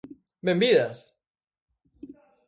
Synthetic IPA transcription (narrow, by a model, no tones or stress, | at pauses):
bembiðas